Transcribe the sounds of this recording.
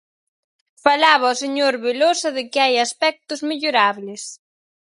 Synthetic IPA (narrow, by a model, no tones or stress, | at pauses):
falaβɐoseɲoɾβelosɐðɪkɪajaspɛk̚t̪ʊzmeʎoɾaβlɪs